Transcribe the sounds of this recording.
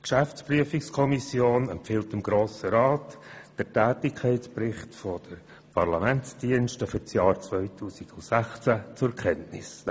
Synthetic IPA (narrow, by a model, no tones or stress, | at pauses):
kʃæft͡spryəfikskʰɔmisjoːnɛmpfɪltɪmɡ̥ɾoːsəɾɑːtd̥əɾtɛːtɪkʰɛɪt͡sprɪχtfɔd̥əɾ | pʰɑɾlɑmɛnt͡sd̥iənʃtəfʏɾt͡sjɑːɾt͡svœʏtʰuːsiɡ̥ʊnsæχt͡sæt͡sʊkʰɛntnɪ̰s